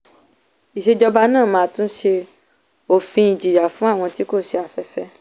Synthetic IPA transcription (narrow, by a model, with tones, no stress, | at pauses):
i˨ʃe˧d͡ʒɔ˧ba˧nãː˦˨mãː˧˦tũ˦ʃe˧ | o˨fĩ˧i˨d͡ʒi˨ja˨fũ˨˦a˦˨w̃ɔ̃˧ti˦ko˦˨ʃe˧a˨fɛ˧˦fɛ˦